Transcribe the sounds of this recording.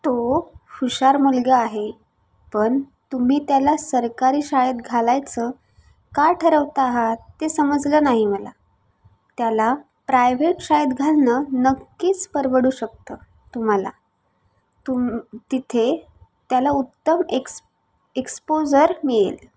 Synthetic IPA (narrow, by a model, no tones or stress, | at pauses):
t̪ofuɕaɾmulɡəaɦe | pəɳ | t̪um̤iːt̪jalasəɾkaɾiːɕajət̪ɡʱalajt͡sə | kaʈʰəɾəʋt̪aːɦat̪ːesəməd͡zləːnaɦiməla̰ | t̪jala | pɾajʋeʈɕajed̪ɡʱalnənəkːiːt͡spəɾʋəɽuːɕək̚t̪əː | t̪um̤ala̰ | t̪ut̪it̪ʰe | t̪jalaut̪ːəmek | ekspod͡zəɾmiɭḛl